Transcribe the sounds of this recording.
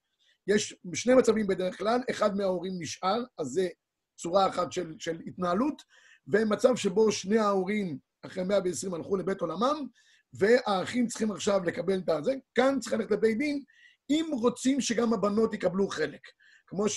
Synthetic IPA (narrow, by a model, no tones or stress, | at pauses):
jeʃʃne̞jmat͡savimbe̞d̪eʁeχklaleχad̪̚meaoʁimːiʃʔaʁazːe | t͡suʁaːχatʃe̞lʃe̞litnaalut | vemat͡savʃe̞bo̞ʃne̞aoʁim | aχʁemeaveːsʁimalχule̞be̞to̞lamam | ve̞aːχimt͡sχimaχʃavle̞kabe̞lt̪azekantt͡siχlaleetlebe̞jd̪in | imʁo̞t͡simʃe̞ɡamabano̞tikabluχe̞lekː | mo̞ʃ